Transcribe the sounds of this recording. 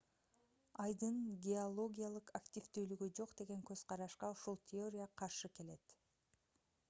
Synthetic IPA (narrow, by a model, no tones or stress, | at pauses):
ɑjd̪ɯnɡʲeolˠo̞ɡʲijalˠɯqaktʲivt̪yːlyɡyd͡ʒo̞qd̪e̞ɡe̞ŋkøzqʰɑɾɑʃqɑuʃulˠt̪ʲʰeo̞ɾʲɪjaqʰɑɾʃɯke̞le̞t̪